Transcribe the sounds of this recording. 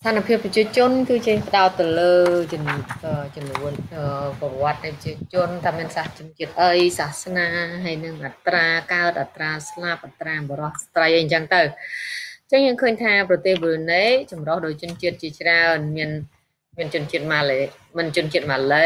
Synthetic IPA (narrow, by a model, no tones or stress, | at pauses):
st̪ʰanapʰiəpːrt͡ɕiət͡ɕʊ̆ənkɨːt͡ɕipə̆ɗaɔt̪ːɨwləː | t͡ɕʊnːuənəpɔʋŏət̪̚nəjpət͡ɕiət͡ɕʊ̆ənt̪ʰamiənsaht͡ɕʊ̆ənt͡ɕiət̪̚ʔəjsahsnaːɦaəjnɨŋʔat̪raːkaət̪̚ʔat̪raːslap̚ʔat̪raːɓɔɾɑhst̪rəjʔəjɲt͡ɕəŋt̪əw | t͡ɕəŋjəːŋkʰəːɲt̪ʰaːprɑt̪eːhɓəneːt͡ɕɑmrohɗoːc̚t͡ɕʊ̆ənt͡ɕiət̪̚t͡ɕiət͡ɕraənmiən | miənt͡ɕʊ̆ənt͡ɕiət̪̚maːlə | mɨənt͡ɕʊ̆ənt͡ɕiət̪̚maːlə